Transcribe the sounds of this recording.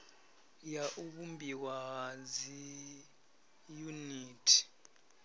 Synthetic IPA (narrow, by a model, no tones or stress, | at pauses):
jaʔuɓumbʱiwazi | juniːtʰi̥